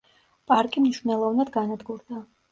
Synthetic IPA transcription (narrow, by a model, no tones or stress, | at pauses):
pʼaɾkʼimniʃvnɛlˠɔvnad̪ɡanad̪ɡuɾd̪a